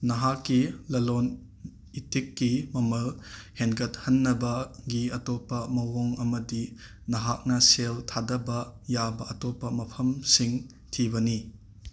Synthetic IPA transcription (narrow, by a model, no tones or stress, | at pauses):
nɐɦakːilɐlon | itikːimɐmɐlhenɡɐt̚hɐnːɐbɐɡiɐtopːɐmɐwoŋɐmɐdi | nɐɦak̚nɐseltʰadɐbɐjabɐɐtopːɐmɐpʰɐmsiŋ | tʰibɐni